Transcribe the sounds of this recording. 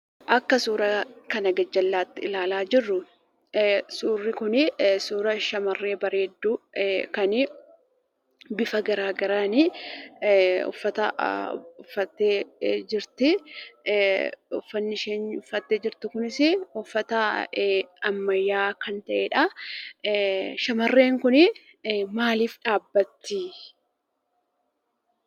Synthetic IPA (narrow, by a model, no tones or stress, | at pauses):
ʔɐkːɐsuːɾɐkɐnɐɡɐd͡ʒːɐlːaːt̪ːɪɪlaːlaːd͡ʒɪrːʊ | suːrːɪkʊnɪsuːɾɐʃɐmɐrːe̞ːbɐɾe̞ːd̪ːukɐnɪ | bɪfɐɡɐɾaːɡɐɾaːnɪ | ʊ̰fːɐt̪ɐ | ʊfːɐt̪ːeːd͡ʒɪɾt̪ɪ | ʊ̰fːɐnːɪʃeːɲʊfɐt̪ːeːd͡ʒɪɾt̪ɪkʊnɪsɪʊfːɐt̪ɐ | ɐmːɐjːaːkɐnt̪ɐʔeːᶑɐ | ʃɐmɐrːe̞ːŋkʊnɪ | maːliːfᶑaːbːɐt̪ːi